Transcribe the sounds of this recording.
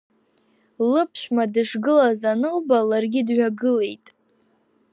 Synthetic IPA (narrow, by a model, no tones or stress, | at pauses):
lɨpʰʃʷᶣmadɨʂɡɨlazanɨlbalarɡʲɪdɥᶣaɡɨle̞jtʼ